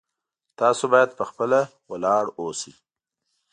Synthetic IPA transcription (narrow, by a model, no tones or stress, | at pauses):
t̪ɑsobɑjad̪̚pəxpəlawalɑɽosi